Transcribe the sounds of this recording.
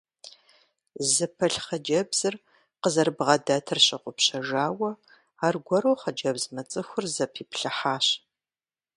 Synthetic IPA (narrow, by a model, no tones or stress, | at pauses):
zɨpʰɐɬχɐd͡ʒɐbz̥ɨr | qəzɐrbʁɐdaːtʰɨrɕʼɪqʷʊpɕɐʒaːwɐ | aːrɡʷɔɾoχɐd͡ʒɐbzmɐt͡sʼɨxʷʊrzɐpʰiːpɬɨħaːɕ